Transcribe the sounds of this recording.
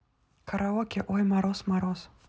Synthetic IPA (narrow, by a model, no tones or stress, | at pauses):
kʰɐɾʔaɔkʲɛʔɔjmaɾɔsmaɾɔs